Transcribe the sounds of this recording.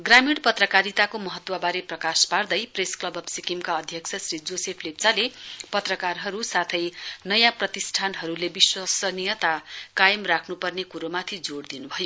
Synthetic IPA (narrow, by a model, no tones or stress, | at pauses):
ɡramiɽpʌt̪rʌkaɾit̪akomʌɦʌt̪ːwʌbaɾeprʌkaspard̪ʌjpresklʌbʌbsikimkaʌd̪ʱjʌkt͡sʰʌsrid͡zosepʰlek̚t͡salepʌt̪rʌkarɦʌɾusat̪ʰʌjnʌjãprʌt̪isʈʰanɦʌɾulebiswasʌnijʌt̪akajʌmrakʰnupʌrnekuɾomat̪ʰid͡zoɽd̪inubʱʌjo